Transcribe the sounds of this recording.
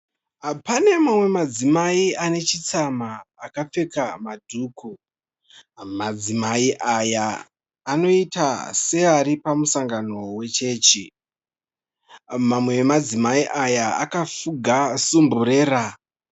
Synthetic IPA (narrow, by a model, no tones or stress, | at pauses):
apane̞mamwe̞mad͡zimaiane̞t͡ʃit͡samaːkap͡fe̞kamadʱuːku | mad͡zimaiʔajaː | no̞itase̞aɾipamusaŋɡano̞we̞t͡ʃe̞ːt͡ʃi | mamwe̞mad͡zimaiʔajaa̰kafuɡʱasumbuɾe̞ːra